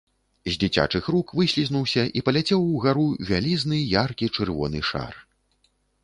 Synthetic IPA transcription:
zʲd͡zʲit͡sʲa̰t͡ʂɨxɾukvɨsʲlʲiznuwsʲɐʔipɐlʲat͡sʲɛwuɣaɾuvʲalʲiznɨjarkʲit͡ʂɨrvɔ̰nɨʂa̰r

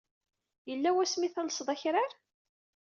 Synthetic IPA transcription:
jəlːæwæsmiθæləsˤðˤæçɾaɾ

